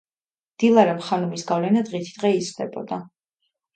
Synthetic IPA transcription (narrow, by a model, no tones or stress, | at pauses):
d̪̥ilˠaɾɛmχanumisɡavlɛnad̪ʁit̪ʰi̥d̪̥ʁɛizd̪ɛbɔ̰d̪a